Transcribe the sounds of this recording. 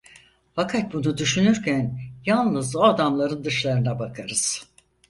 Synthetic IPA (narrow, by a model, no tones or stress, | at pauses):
fakʰat̪̚bunud̪yʃynyɾcʰænjalˠnɯzoad̪amlˠaɾɯnd̪ɯʃlˠaɾɯnabakʰaɾɯz̥